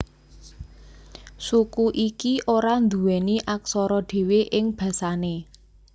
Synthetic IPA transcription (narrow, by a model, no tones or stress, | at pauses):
sukuʔikiʔoɾand̪uwɛniʔaksɔɾɔɖ̥e̤weʔɪŋb̥ä̤sane